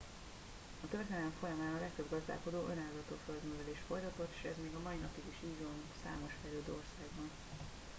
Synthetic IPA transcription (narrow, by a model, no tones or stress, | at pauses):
ɒkøvɛt̪lɛd̪lɛɱfo̞jɒmaːnɒlɛkt̪øbɡɒzd̪a̰ːlko̞d̪oːʔø̞naːllɒt̪oːføld̪møvɛleːʃt̪fo̞jt̪ɒt̪o̞t̪ːe̥ːʃɛzmeːɡɒmɒinɒpiɡiʃiːzon | sa̰ːmo̞ʃfɛjløːd̪øːorsaːɡbɒn